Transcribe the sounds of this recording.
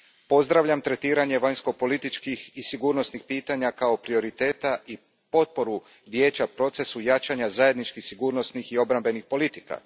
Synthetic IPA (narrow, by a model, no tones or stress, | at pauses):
po̞zd̪ɾaʋʎamt̪ɾe̞t̪iːɾaɲe̞ʋaɲsko̞po̞lit̪it͡ʃkixisiɡuːɾno̞snixpiːt̪aɲakao̞pɾio̞ɾit̪e̞ːt̪aʔi | po̞t̪̚po̞ɾu | ʋje̞ːt͡ɕapɾo̞t̪se̞sujat͡ʃaɲazaje̞d̪nit͡ʃkixsiɡuːɾno̞snixio̞bɾambe̞nixpo̞lit̪i̥ka̰